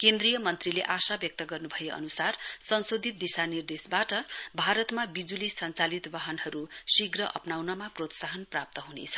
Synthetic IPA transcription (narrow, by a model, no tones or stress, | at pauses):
kend̪rijʌmʌnt̪rileʔasabjʌk̚t̪ʌɡʌrnubʱʌjeʌ̰nusarsʌnsod̪ʱit̪̚d̪isanird̪esbaʈʌbʱaɾʌt̪mabid͡zulisʌnt͡salit̪baɦʌnɦʌɾusiɡrʌʔʌ̰pnawnʌmaprot̪saɦʌnprap̚t̪ʌɦunḛt͡sʰʌ̥